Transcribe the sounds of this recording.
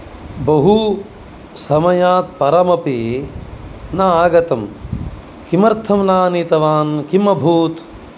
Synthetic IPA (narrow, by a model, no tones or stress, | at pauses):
bɐɦu | sɐmɐjaːt̪̚pɐɾɐmɐpi | naaːɡɐt̪ɐm | kimɐɾt̪ʰɐmnaːniːt̪ɐʋaːnkimɐbʱuːt̪